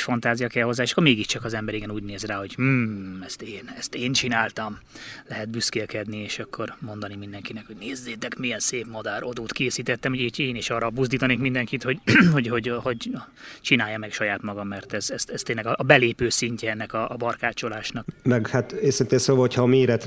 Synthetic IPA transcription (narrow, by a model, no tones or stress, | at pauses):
ʃfɒnt̪aːzijɒkɛlho̞zːaːeʃɒ̥kːoɾmeːɡiʃt͡ʃɒkɒzɛmbɛɾiɡɛnuːɟneːzraːho̞ɟh̩ɛst̪eːnɛst̪eːnt͡ʃinaːlt̪ɒmlɛɦɛt̪̚byskelkɛd̪nieːʃɒkːo̞rmo̞nd̪ɒnimind̪ɛŋkinɛkho̞ɟneːzːeːt̪ɛkmijɛnseːpmod̪aːɾo̞d̪oːt̪keːsiːt̪ɛt̪ːɛmhoɟit̪eːniʃɒːrɒbuzd̪iːt̪ɒneːkmind̪ɛŋkit̪ho̞ɟho̞ɟhoɟho̞ɟ | t͡ʃinaːjːɒmɛkʃɒjaːt̪mɒɡɒmːɛrt̪ɛzɛst̪ɛst̪ːeːnlːɛɡɒʔɒbɛleːpøːsiɲcɛɛnːɛkɒʔːbɒrkaːt͡ʃolaːʃnɒkmɛɡhat̪eːsint̪eːsoːvɒɦocʰhɒmeːɾɛt̪